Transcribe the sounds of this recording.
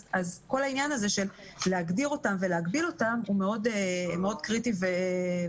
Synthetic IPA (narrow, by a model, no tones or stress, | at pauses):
azko̞lainjanaze̞ʃelː | eaɡdiʁo̞tamveleaɡbilo̞tamumeo̞demeo̞d̪kʁitive